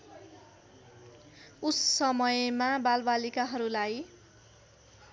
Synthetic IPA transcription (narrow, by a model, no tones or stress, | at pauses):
usːʌmʌjmabalbalikaɦʌɾulaj